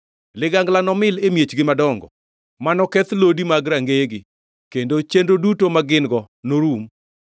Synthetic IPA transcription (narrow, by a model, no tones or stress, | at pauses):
lɪɡaŋɡlanɔmɪlemjet͡ʃɡɪmadɔŋɡɔ̰ | manɔkɛt̪lodimaɡɾaŋɡeɡɪ | kendot͡ʃendodutomaɡɪnɡɔ | noɾum